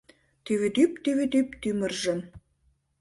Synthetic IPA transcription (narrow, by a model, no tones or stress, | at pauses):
t̪yβet̪yp̚t̪yβet̪ypt̪ymə̆rʒə̆m